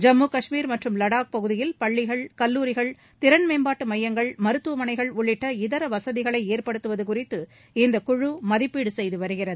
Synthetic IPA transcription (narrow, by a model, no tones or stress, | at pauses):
d͡ʒɐmːuːkɐʂmiːɾmɐʈrɯmlɐɽaːk̚pɐɣɯðɪjɪlpɐɭːɪɣɐɭkɐlːuːɾɪɣɐɭ | t̪ɪɾɐnmeːmbaːʈːɯmɐjːɐŋɡɐɭmɐɾɯt̪ːuɐmɐɳɐɪɣɐɭʊɭːɪʈːɐɪðɐɾɐʋɐsɐðɪɣɐɭɐɪeːrpɐɽɯt̪ːɯʋɐðɯkʊrɪt̪ːɯ | ɪnd̪ɐkʊɻumɐðɪpːiːɽɯsɛjðɯʋɐɾɯɣɪrɐðɯ